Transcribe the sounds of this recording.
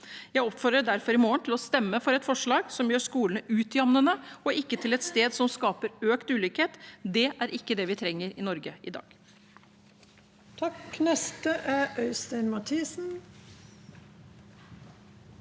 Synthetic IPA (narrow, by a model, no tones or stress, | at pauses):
jæɪɔpːfɔɾd̪ɾəɖæɾfɔɾɪmoːəɳt̪ʰɪlɔst̪ɛmːəfɔɾɛt̪fɔʂɭɑːɡsɔmjøːʂkuːlənəʔʉːt̪ɪɑmnənəɔʔɪkːət̪ʰɪlɛt̪st̪eːd̪sɔmskɑːpəɾøːkt̪ʉːlʏːkheːt̪d̪ɛʔæɾʔɪkːəd̪ɛʋɪt̪ʰɾɛŋːəɾɪnɔɾɡəɪd̪ɑ̰ːɡ̥ | t̪ʰɑknɛst̪əʔæʔœʏst̪ɛɪnmɑt̪ʰiːsn̩